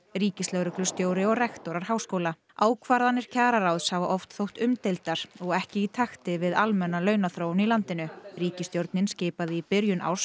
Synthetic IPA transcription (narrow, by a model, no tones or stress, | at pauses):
riːcɪst̪lɛɣɾʏklʏ̥st̪joːwɾɪɔɣrɛxt̪ɔɾaɾ̥haːwskoːwla | aːwkʰvaɾðanːɪɾ̥cʰaːɾaɾawðshavaʔɔft̪θowht̪ʏmt̪ejlt̪aɾ̥ɔɣɛhcɪit̪ʰaxt̪ɪvɪðalmɛnːalœːɥnaθɾoːwnilant̪ɪnʏriːcɪst̪jowɾt̪nɪnsceːpaðɪipɪɾjʏnʔa̰ws